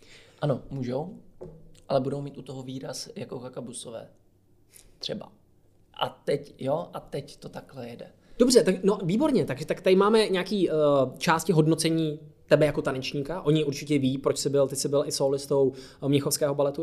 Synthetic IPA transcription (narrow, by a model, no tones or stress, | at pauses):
ʔanomuːʒow | ʔalɛbudowmiːt̪ut̪oɦoviːɾasjakokakabusovɛ̰ː | t̪r̥ɛba̰ | ʔa̰t̪ɛcjoʔat̪ɛct̪ot̪aklɛjɛdɛ | do̞br̝ɛt̪aɡno̞viːbo̞ɾɲɛt̪aɡʒɛt̪akt̪adɪmaːmɛɲaːkiːt͡ʃaːscɪɦo̞dno̞t͡sɛɲiːt̪ɛbɛjako̞t̪anɛt͡ʃɲiːkaʔo̞ɲɪʔuɾt͡ʃɪcɛviːpɾo̞t͡ʃsɪbɪlt̪ɪsɪbɪlʔɪsoːlɪst̪ow | mɲɛxo̞fskɛːɦo̞balɛt̪u